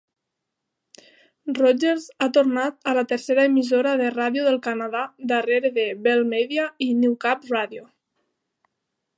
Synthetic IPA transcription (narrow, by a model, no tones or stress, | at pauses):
rɔd͡ʒeɾzat̪oɾnat̪alat̪eɾseɾaemizoɾaðeraðjoðəlˠkanaðad̪əreɾeðeβelˠmɛðiainiwkapraðjo